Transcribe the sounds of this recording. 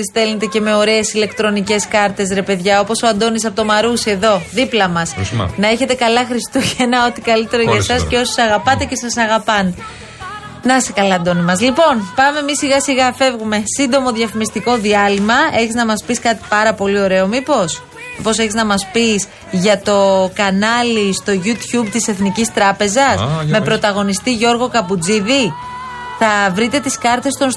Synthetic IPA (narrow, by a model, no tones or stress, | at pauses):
ist̪e̞lnet̪e̞ce̞me̞o̞ɾe̞ːsile̞kt̪ɾo̞nice̞skɐɾt̪e̞s̬ɾe̞pe̞ðʝɐo̞po̞soɐnd̪o̞nisɐpot̪omɐɾusie̞ðo̞ðiplɐmɐsnɐe̞çe̞t̪e̞kɐlɐxɾist̪uʝenɐot̪i̥kɐlit̪e̞ɾoʝɐsɐsceo̞so̥sɐɣɐpɐt̪e̞ce̞sɐsɐɣɐpɐn | nɐsekɐlɐɐnd̪o̞nimɐzlipo̞npɐme̞misiɣɐsiɣɐfe̞vɣume̞sind̪o̞mo̞ðʝɐfimist̪iko̞ðiɐlimɐe̞çiznɐmɐspiskɐt̪i̥pɐɾɐpo̞lio̞ɾe̞o̞mipo̞s | mipo̞seçiznɐmɐspis | ʝɐt̪o̞kɐnɐlist̪o̞ʝut̪çub̚t̪ise̞θnicist̪ɾɐpe̞zɐsme̞pɾo̞t̪ɐɣo̞nist̪iʝo̞ɾɣo̞kɐpud͡ziði | θɐvɾit̪e̞t̪iskɐɾt̪e̞st̪on